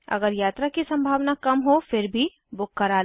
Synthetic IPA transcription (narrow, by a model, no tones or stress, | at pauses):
ɐ̰ɡəɾjaːt̪ɾakisɐ̃mbʱaːʋnakɐmɦofɪɾbʱi | bʊkːəɾaː